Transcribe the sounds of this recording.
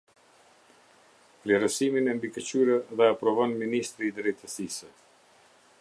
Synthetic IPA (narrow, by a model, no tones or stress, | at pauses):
flɛɾəsiminɛmbikət͡ɕyɾəðɛapɾɔvɔnminist̪ɾiːd̪ɾɛjt̪əsisə